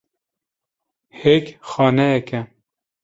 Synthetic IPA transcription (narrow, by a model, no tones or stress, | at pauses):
hekxɑːnɛjɛkɛ